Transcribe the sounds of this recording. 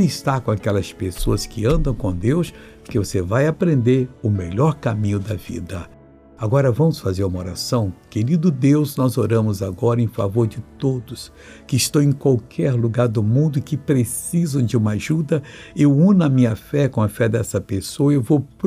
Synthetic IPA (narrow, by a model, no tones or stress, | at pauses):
ist̪aɾkõakɛlɐspesoɐskɪɐ̃nd̪ɐ̃w̃kõd̪ews | pokevosevajapɾẽnd̪eɾʊmeʎɔɾkamĩɲʊd̪ɐvḭd̪ɐ | aɡɔɾɐvɐ̃mʊsfazeɾũmɐoɾasɐ̃w̃keɾid̪ʊd̪ewznɔzoɾɐ̃mʊzaɡɔɾɐẽj̃fa̰voɾd͡ʒɪt̪od̪ʊs | kɪist̪õwẽj̃kwawkʰɛɾluɡaɾd̪ʊmũnd̪ʊɪkɪpɾesizɐ̃w̃d͡ʒɪũmɐaʒud̪ɐewũnɐmĩɲɐfɛkõɐfɛd̪ɛsɐpesoɐewvowp